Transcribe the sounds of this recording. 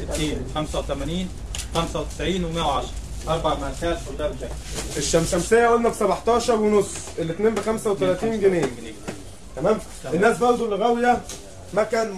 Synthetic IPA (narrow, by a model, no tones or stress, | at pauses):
et̪eːnxæmsæwet̪æmæniːn | xæmsæwet̪ɪ̥sʕiːnwemæwʕɑʃɾˤɑ | ʔɑɾˤbɑʕmæħæːt̪wold̪æbt̪æʔeʃːæmsæmsejːæʔolnæfi̥sæbɑħt̪ˤɑːʃɑɾˤwenosːʔelːet̪neːmbexæmsæwet̪ælæːt̪iːnɡeneː | t̪æmæːm | enːæːsbɑɾˤd̪ˤulːeɣæwjæ | mækæːn